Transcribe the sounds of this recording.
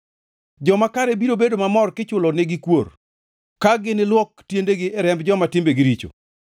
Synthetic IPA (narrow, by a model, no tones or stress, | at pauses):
d͡ʒɔmakaɾebiɾobedomamɔrkɪt͡ʃʊlɔneɡɪkwor | kaɡɪnɪlwɔk̚tjendeɡɪɛɾɛmbd͡ʒɔmatɪmbeɡɪɾit͡ʃo̰